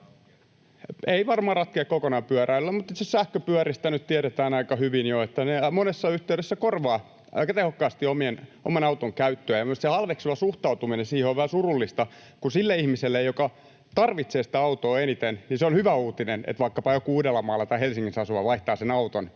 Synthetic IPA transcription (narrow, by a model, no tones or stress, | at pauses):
eiʋɑrmɑːrɑt̪̚keːkkokonɑmpyæræylːæmut̪ːit̪sossæhkøpyæɾist̪ænyt̪t̪iæɾet̪æːnɑikɑhyʋinjoet̪ːænemonesːɑyht̪eyɾesːækorʋɑː | ʔɑ̰ikɑt̪ehokːɑːst̪iomieno̰mɑnɑut̪oŋkæyt̪ːøæjɑsehɑlʋeksuʋɑsuht̪ɑut̪uminensiːheoʋʋæhæsurulːist̪ɑ | kunsilːeihmiselːejokɑ | t̪ɑrʋit̪seːsĭ̥t̪æɑut̪oːenit̪enniseonhyʋæuːt̪inenḛt̪ʋɑikːɑpɑjokuuːdelːɑmɑːlːɑt̪ɑihelsiŋːinsɑsuʋɑʋɑiht̪ɑːsenɑut̪on